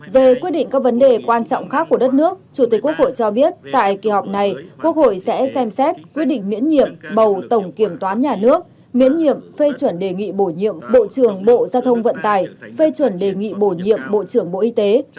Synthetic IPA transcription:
ve˨˩kwi˦˥t̚ɗḭ˧˨ŋ̟kaː˦˥k̚və˨˦nɗe˨˩kwaː˧nt͡ɕɔ̰˧˨wŋ͡mxaː˦˥kːu˧˩əɗə˦˥t̚nɨ˦˥ək̚t͡ɕu˧˩t̪i˨˩k̚kːu˦˥ək̚ho̰˧˨jt͡ɕɔ˧ɓi˦˥ət̚t̪a̰ː˧˨jki˧˩ha˨˩wk͡p̚na˨˩jku˦˥ək̚ho̰˧˨jsɛ̰˧˥sɛ˧msɛ˦˥t̚kwi˦˥ɗḭ̈˧˨ŋ̟mḭ˧˥ənɲḭ˧˨əmɓə˨˩wt̪ə˧˩wŋ͡mki˧˩əmt̪waː˨˦nɲaː˨˩nɨ˦˥ək̚ | mḭ˧˥ənɲḭ˧˨əmfe˧t͡ɕwə˧˩nɗe˨˩ŋḭ˧˨ɓo˧˩ɲḭ˧˨əmɓo̰˧˨t͡ɕɨ˧˩əŋɓo̰˧˨zaː˧wt̪ʰə˧wŋ͡mvə̰˧˨nt̪aː˧˩jfe˧t͡ɕwə˧˩nɗe˨˩ŋḭ˧˨ɓo˧˩ɲḭ˧˨əmɓo̰˧˨t͡ɕɨ˧˩əŋɓo̰˧˨ʔi˧t̪e˨˦

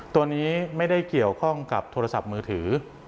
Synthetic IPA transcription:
t̪u˧əniː˦˥ma˥˩jda˥˩jki˨˩əwkʰɔ˥˩ŋka˨˩p̚t̪ʰoː˧a˧sa˨˩p̚mɯː˧t̪ʰɯː˩˦

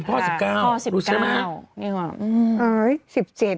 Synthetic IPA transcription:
p̚kʰɔː˥˩si˨˩p̚kaː˥˩wɾuː˦˥˨kma˦˥i˧˩ka˧˩˧əː˧˦jsi˨˩p̚t͡ɕe˨˩t̪̚

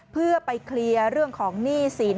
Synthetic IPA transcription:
pʰɯ˥˩ɐpa˧jkʰli˧əɾɯ˥˩əŋkʰɔː˩˦ŋniː˥˩siː˩˦n

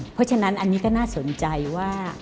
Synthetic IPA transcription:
pʰɔ˦˥t͡ɕʰa˧na˦˥nʔa˧nːiː˦˥kɔː˥˩naː˥˩so˨˩˦nt͡ɕa˧jwaː˥˩

